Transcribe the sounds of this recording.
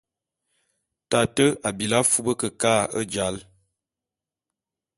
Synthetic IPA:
ta˨tə˦a˨bi˨la˦fu˦bə˦kə˨kaː˦ə̰˦d͡ʒa˨˦l

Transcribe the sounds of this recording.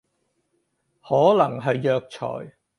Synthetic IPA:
hɔː˨˥lɐ˨˩ŋɦɐ˨jːœː˧k̚t͡ʃʰɔ̰ː˨˩j

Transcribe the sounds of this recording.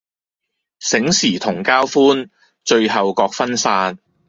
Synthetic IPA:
sɪ˨˥ŋsiː˨˩t̪ʰʊ˨˩ŋkaː˥wfuː˥n | t͡ʃɵ˧ɥɦɐ˨wkɔː˧k̚fɐ˥nsaː˧n

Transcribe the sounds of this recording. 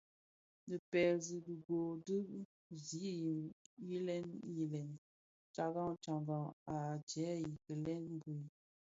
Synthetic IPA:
nə˨pɛ˨zi˨ɡə˨ɡo˨dɨ˦ʔ | zi˨˦i˨ji˦lɛ˦nji˨lɛ˨n | t͡ʃa˨ɡa˦ŋt͡ʃa˨ŋɡa˨ŋa˨d͡ʒɛ˨˦ji˨kə˨lɛ˦nm˦bu˨

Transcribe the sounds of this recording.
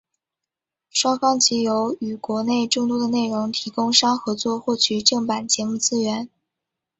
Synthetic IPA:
ʂwɑ˥ŋfɑ˥ŋt͡ɕʰi˧˥jo˧˥ʊy˨˩kwɔ˧˥ne˥˧ɪʈ͡ʂʊ˥˩ŋt̪̬wɔ˥d̪ə˨ne˥˩ɪɻʊ˧˥ŋt̪ʰi˧˥kʊ˥ŋʂɑ˥ŋxɤ˧˥t͡swɔ˥˧xwɔ˥˩t͡ɕʰy˨˩ʈ͡ʂɤ˥˩ŋpa˨˩nt͡ɕjɛ˧˥mu˥˩t͡sɹ̩˥ɥɛ˧˥n

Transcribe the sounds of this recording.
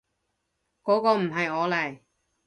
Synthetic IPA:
kɔː˨˥kɔː˧m̩˨˩ɦɐ˨jɔː˨˧lɐ˨˩j

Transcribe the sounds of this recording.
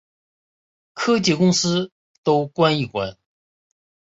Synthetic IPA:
kʰɤ˥t͡ɕi˥˩kʊ˥ŋsɹ̩˥ | t̪o˥ʊkwa˥ni˥˩kwa˧˥n

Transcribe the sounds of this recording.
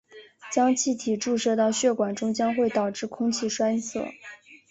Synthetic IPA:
t͡ɕjɑ˥ŋt͡ɕʰi˥˩t̪ʰi˨˩ʈ͡ʂu˥˧ʂɤ˥˧t̪ɑ˥˧ʊɕɥɛ˥˩kwa˨˩nʈ͡ʂʊ˥ŋt͡ɕjɑ˥ŋxwe˥˩ɪt̪ɑ˨˩ʊʈ͡ʂɻ̩˥˩kʰʊ˥ŋt͡ɕʰi˥˩ʂwa˥ɪsɤ̰˥˩

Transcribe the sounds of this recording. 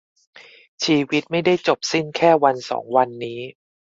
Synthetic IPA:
t͡ɕʰiː˧wi˦˥t̪̚ma˥˩jda˥˩jt͡ɕo˨˩p̚si˥˩nkʰɛː˥˩wa˧nsɔ̰ː˩˦ŋwa˧nːiː˦˥

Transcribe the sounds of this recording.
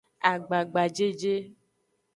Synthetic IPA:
a˨ɡ͡ba˨ɡ͡ba˨d͡ʒe˦d͡ʒe˦

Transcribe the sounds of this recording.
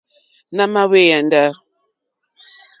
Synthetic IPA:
na˦ma˦we˦ja˨n˦də˦

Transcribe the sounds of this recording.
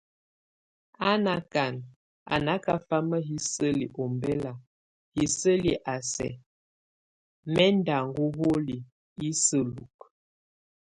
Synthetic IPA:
a˦na˨ka˨n | a̰˨na˦ka˦fa˦mə˦ɦi˦sə˦lḭ˨ʔɔ˨mbɛ˦la˨ | hi˨sə˦li˨ʔa˨sɛ̰˨ | mɛ˦nda˨ŋɡu˦ɣo˦li˨ | i˦sə˦lṵ˨k̚

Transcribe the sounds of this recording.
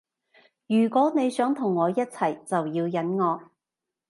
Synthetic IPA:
jyː˨˩kʷɔː˨˥ne˨˧jsœː˨˥ŋt̪ʰʊ˨˩ŋːɔː˨˧jɐ˥t̚t͡sʰɐ˨˩jt͡sɐ˨wjiː˧wjɐ˨˥nŋɔː˨˧

